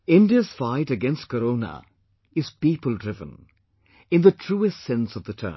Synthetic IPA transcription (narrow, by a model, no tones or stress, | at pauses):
ɪ̃ndiəz̥faɪɾɨɡɛ̃nst̚kəɾoʊnə̰ | ɪz̥piːpəlˠdɹɪvə̰̃n | ɪ̃nðətʰɹ̥uɪstsɛ̃nsʌvðətʰɜ̰˞m